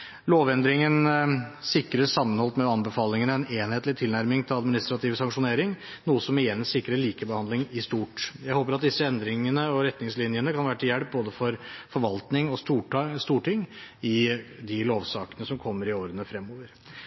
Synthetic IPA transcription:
loːʋɛnd̪ɾɪŋənsɪkːɾəsɑmːənhɔlt̪mɛɑnbəfɑːlɪŋənɛneːnheːt̪lɪt̪ʰɪlnæɾmɪŋt̪ʰɪlɑd̪mɪnɪst̪ɾɑt̪ʰiːʋsɑŋkʂʊneːɾɪŋ | nuːəsɔmɪjɛnːsɪkːɾəɭiːkəbəhɑnd̪ɪŋɪst̪uːʈjæɪhoːpəɾɑt̪̚d̪ɪsːəɛnd̪ɾɪŋənəɔɾɛt̪nɪŋslɪnjənəkʰɑnʋæːɾəʈʰɪjæɽp̚boːd̪əfɔɾfɔɾʋɑlt̪nɪŋɔst̪uːst̪uːʈɪŋɪd̪ɪloːʋsɑːkənəsɔmkʰɔmːəɾɪoːɾənəfɾɛmːoːʋəɾ

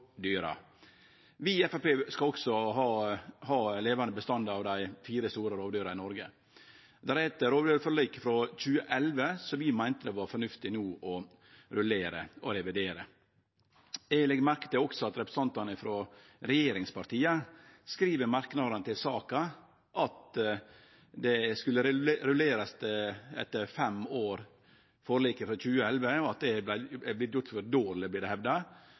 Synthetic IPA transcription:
d̪yːɾɑ̰ | ʋɪɛfæpeːskɑlɔksɔɦɑːhɑːleːʋɑnd̪əbəst̪ɑnd̪ɑʋd̪æɪfiːɾəst̪uːɾəɾoːʋd̪yːɾɑɾɪnɔɾɡə | d̪æɾhɛt̪əɾoːʋd̪yːɾfɔliːkfɾɔc͡çʉːəʔɛlʋəsɔʋɪmæɪnt̪əd̪ɛʋɑɾfɔɾɳʉft̪ɪnuːʔɔ | ɾʉleːɾə̰ʔɔɾɛʋɪd̪eːɾə | eːlɛɡmæɾkə̥t̪əɔksɔɑt̪ɾɛpɾst̪ɑnt̪ɑnəfɾo | ɾɛjeːɾɪŋspɑɾt̪iːəskɾiːʋəɾmɑɾknɑd̪ɑnət̪ʰɪlsɑːkɑ | ʔɑt̪ | d̪ɛskʉlːəɾɾʉleːɾɑst̪əɛ̰t̪ːəɾfɛmoːɾ | fɔɾɭiːkəfɾɔc͡çʉːəɛlʋəɔɑt̪̚d̪ɛæɪɛblɪt̪jʊʈtːfɔɾd̪oːɾlɪb̪ɪːɖɛhɛʋd̪ɑ

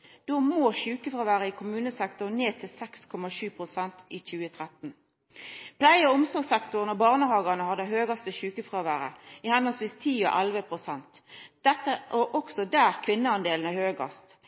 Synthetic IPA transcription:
d̪̥omoːʃʉːkəfʁoːʋæːʁəɪːkʰʊmʉːnəsɛkt̪ʊʁneːt̪ʰɪlsɛkskʰɔmɑʃʉːpʰʁʊsɛnt̪iːc͡çʉːət̪ʰʁɛt̪n̩ | pʰlæɪəʊmsɔʁɡsɛkt̪ʊʁənɔbɑːʁnəhɑːɡɑnəhɑd̪əhøːɡɑst̪əɕʉːkəfʁoːʋæːʁə̰iːhɛnɑlsʋiːst̪ʰiːo̰ʔælʋəpʰʁʊsɛnt̪d̪̥ɛt̪ːəʔɔʔɔksɔd̪æːʁkʰʋɪnːəɑnd̪eːln̩æhøːɡɑ̰st̪

